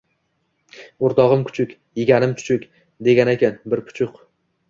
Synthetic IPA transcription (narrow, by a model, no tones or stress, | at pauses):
ʊɾt̪ɒʁɨmkʰʊ̥t͡ʃʰʊkʲ | jeɡʲanɪmt̪ʰʊ̥t͡ʃʰʊkʲ | d̪e̞ɡʲanekʲanbɪɾpʰʊ̥t͡ʃʰʊq